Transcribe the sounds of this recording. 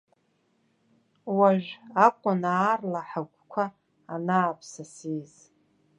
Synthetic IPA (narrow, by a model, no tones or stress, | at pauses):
waʒʷᶣakʷʼʊnaːrlaħaɡʷkʷʰaː | naːpʰsasiz